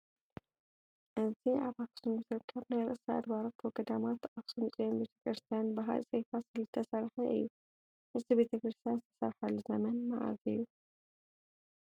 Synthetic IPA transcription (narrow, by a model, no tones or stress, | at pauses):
ʔɨziʔaβaksumɨzɨɾkʰɐβnajɾɨ̰ʔsaa̰d̪baɾot̪wɔɡɐd̪amat̪aksumsʼijonbe̞t̪ʰɐ̥kʰɾɨst̪ʰijanbaɦa̰lsʼejfasɨlɨt̪ʰɐsɐɾħɐʔɨ̰jːu | ʔɨzibe̞t̪ʰɐkɾɨst̪ʰijanzɨt̪ʰɐ̥sɐ̰ɾħalːuzɐmɐnma̰ʕa̰zɨjːu